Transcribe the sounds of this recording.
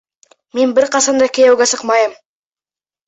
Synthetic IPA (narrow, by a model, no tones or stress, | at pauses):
me̞nbɪɾqʰɑsɑnd̪ɑkʲʰejæwɡʲesəqmɑjəm